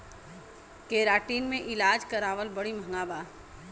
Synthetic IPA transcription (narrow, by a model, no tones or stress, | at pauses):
keːɾaːʈiːnmẽʔɪlaːd͡ʒkɐɾaːʋəlbɐɽimʱɐ̃ŋɡaːbaː